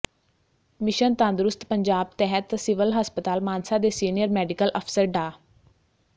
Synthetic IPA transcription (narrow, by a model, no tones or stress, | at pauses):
mɪʃənt̪ãːnd̪ɾʊst̪pəɲd͡ʒaːb̚t̪ɛɦət̪sɪʋəlɦəspət̪aːlmaːnsaːd̪eːsiːnijəɾmɛːɖɪkəlʔəpʰsəɾɖaː